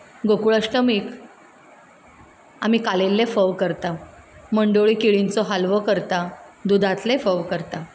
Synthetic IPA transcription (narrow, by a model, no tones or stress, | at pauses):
ɡokuɭəʂʈəmik | a̰mikalelːefəʋkəɾt̪aməɳɖoɭiːkiɭint͡sɔɦalʋəkəɾt̪ad̪ud̪ʱat̪lefəʋkəɾt̪a